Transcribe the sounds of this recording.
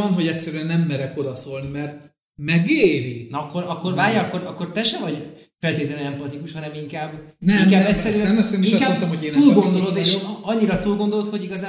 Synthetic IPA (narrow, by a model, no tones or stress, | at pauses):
ɒnɦo̞ɟɛcʲsɛɾyɛnːɛmːɛɾɛko̞d̪ɒso̞lnimɛrt̪ | mɛɡeɾinɒkːo̞ɾɒkːo̞rvaːrjɒɒkːo̞ɾɒkːo̞rt̪ɛʃɛvɒɟ | fɛlt̪eːt̪lɛnɛɛmpɒt̪ikuʃhɒnɛmiŋkaːbːnɛiŋkaːbɛcsːɛɾyɛmɛst̪eniiŋʃkaent̪ɛmhoɟeːnuːlɡond̪o̞lot̪eːʃɒɲːiɾɒt̪uːlɡo̞nd̪o̞lot̪ho̞ɟiɡɒzaː